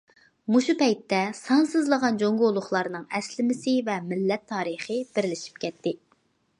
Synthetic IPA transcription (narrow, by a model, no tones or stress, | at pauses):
muʃupɛjt̪ːɛsɑnsɨzlˠəʁɑnd͡ʒoŋɡolˠʊχlˠɑɾnɨŋɛslɪmɪsɪvɛmɪlːɛt̪ʰːɑːɾəχɨb̥ɪɾlɪʃi̥p̚kʲʰɛt̪ʰːɪ